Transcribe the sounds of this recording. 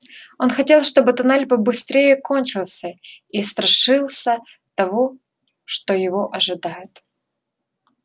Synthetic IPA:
o̞nxɐtʲe̞lˠʂt̪o̞bɨt̪ɐnalʲpəbɨst̪ɾʲejəko̞nʲt͡ɕɪlˠsʲəist̪ɾɐʂɨlˠsʲə | t̪ɐvo | ʂt̪ojɪvo̞ʔɐʐɨd̪ajɪt̪

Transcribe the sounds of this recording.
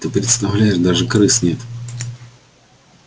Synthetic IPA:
t̪ɨpɾʲɪt̪st̪ɐvlʲæjɪʐd̪aʐɨkɾɨsnʲet̪

